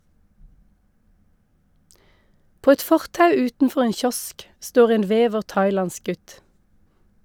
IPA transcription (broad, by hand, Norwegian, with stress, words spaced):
ˈpoː ˈɛt ˈfɔʁtɑʉ ˈʉːtn̩ˌfɔʁ ˈeːn ˈçɔsk ˈstoːʁ ˈeːn ˈʋeːʋəʁ ˈtɑɪˌlɑns ˈɡʉt